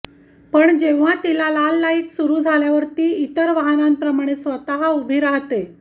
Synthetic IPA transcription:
pəɳd͡ʑeʋʋat̪ilalalːaiːt̪suɾuːd͡zʱaljaʋəɾt̪iːit̪əɾʋaɦnãmpɾəmaɽ̃esʋət̪aɦaubʱiɾaɦt̪e

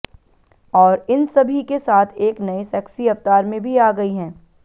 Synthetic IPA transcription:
ɔːɾɪnsɐbʱikesaːt̪ʰeːknɐesɛːksiɐft̪aːɾmẽbʱiaːɡɐiɦɛ̃ː

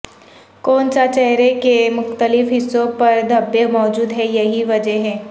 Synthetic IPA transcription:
kɔːnsat͡ʃɛɦɾekemʊxt̪əlɪfɦɪsːõpɐɾd̪ʱɐbemɔːd͡ʒuːd̪ɦɛjɐɦiʋɐd͡ʒəɦɛ̃ː

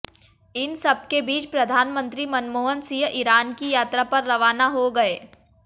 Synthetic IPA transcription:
ɪnsɐb̚kebiːt͡ʃpɾɐd̪ʱaːnmə̃nt̪ɾimɐnmoːɦənsijəʔɪɾaːnkijaːt̪ɾapɐɾːɐʋaːnaɦoɡɐeː

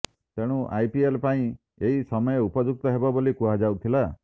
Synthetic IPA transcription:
t̪eɽ̃uʔajpielpaĩ | eɦisɔmɔjeupɔd͡ʒuk̚t̪ɔɦebɔbolikuɦad͡ʒawt̪ʰila

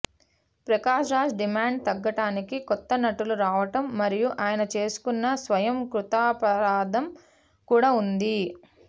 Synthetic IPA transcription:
pɾɐkaːʃɾaːd͡ʒɖimaːɳɖ̚t̪ɐɡːɐʈaːnikikɔt̪ːɐnɐʈuluɾaːʋɐʈɐmːɐɾijuʔaːjɐnɐt͡ʃe̞ːsu̥kunːɐsʋɐjɐmkɾut̪aːpɐɾaːd̪ɐm | kuːɽaːund̪i

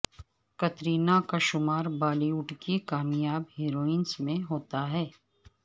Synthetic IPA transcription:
kɐt̪ɾiːnakaʃʊmaːɾbaːliʊʈkikaːmjaːbɦiːɾoːɪnsmẽɦoːt̪aɦɛː

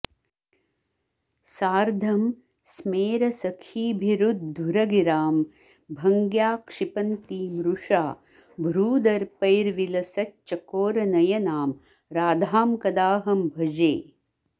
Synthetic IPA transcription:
saːɾd̪ʱɐm | smeːɾɐsɐkʰiːbʱiɾud̪̚d̪ʱuɾɐɡiɾaːm | bʱɐŋɡjaːkʂipɐnt̪iːmɾuʂaː | bʱɾuːd̪ɐɾpɐjɾʋilɐsɐt͡ʃt͡ʃːɐkoːɾɐnɐjɐnaːm | ɾaːd̪ʱaːmkɐd̪aːɦɐmbʱɐd͡ʒeː

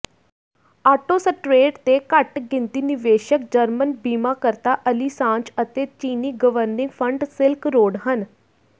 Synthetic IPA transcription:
aːʈoːsəʈɾeːʈt̪eːkəʈɡɪnt̪iːnɪʋeːʃəkd͡ʒəɾmənbiːmaːkəɾt̪aːʔəliːsãːɲt͡ʃət̪eːt͡ʃiːniːɡəʋəɾnɪ̃ŋɡpʰəɳɖsɪlkɾoːɖɦən

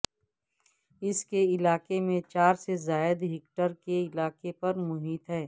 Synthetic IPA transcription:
ɪskeɪlaːkemẽt͡ʃaːɾsezaːɪd̪ɦɪkʈəɾkeɪlaːkepɐɾmʊɦiːt̪ɦɛː

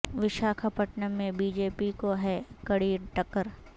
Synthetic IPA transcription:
ʋɪʃaːkʰapəʈnəmẽbiːd͡ʒeːpikoɦɛkɐɽiːʈɐkːəɾ

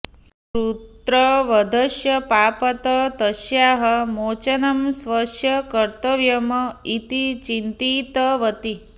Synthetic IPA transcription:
ɾut̪ɾɐʋɐd̪ʱɐʃjɐpaːpɐt̪ɐt̪ɐʃjaːɦɐmoːt͡ʃɐnɐmsʋɐʃjɐkɐɾt̪ɐʋjɐmɐit̪it͡ʃint̪it̪ɐʋɐt̪i

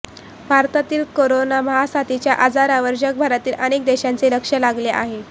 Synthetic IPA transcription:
bʱaɾt̪at̪iːlkoɾonaməɦasat̪it͡ɕjaʔad͡zaɾaʋəɾd͡ʑək̚bʱaɾat̪iːlənek̚d̪eɕant͡seɾəkʂəlaɡleʔaɦe

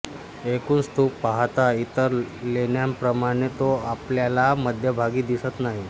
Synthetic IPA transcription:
ekuːnst̪ʰuːpːaɦt̪ait̪əɾleɳjampɾəmaɽ̃et̪oapljalaməd̪ʱjəbʱaɡiːd̪isət̪naɦi

